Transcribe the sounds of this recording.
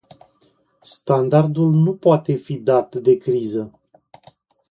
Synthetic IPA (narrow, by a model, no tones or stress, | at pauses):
st̪and̪ard̪ulnupoat̪e̞fid̪at̪d̪e̞kɾizə